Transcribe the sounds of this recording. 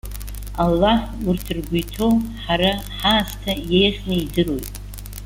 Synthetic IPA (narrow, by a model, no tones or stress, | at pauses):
alːaħurtʰɨrɡʷujtʰowħaɾaħaːstʰajejχʲnɨidɨro̞jtʼ